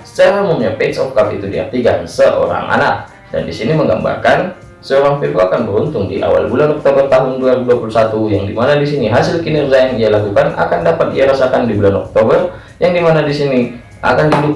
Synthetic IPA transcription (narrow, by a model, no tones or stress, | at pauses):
sə̥t͡ʃaɾaumumɲapɛsɔfkapḭt̪udia̰rt̪ikansəʔo̰ɾa̰ŋʔa̰nak̚ | da̰ndisiniməŋɡa̰mba̰rkan | səoɾaŋfirbuakanbəɾunt̪ʊŋdḭʔa̰wa̰lbulanɔk̚t̪obərt̪aɦʊnduaɾibuduapulusat̪ujaŋdimanadisiniɦasɪlkinirzajaŋialakukanʔa̰kandapat̪̚diaɾasakandibulanɔk̚t̪obər | jaŋdimanadisini | ʔa̰kandiidʊp̚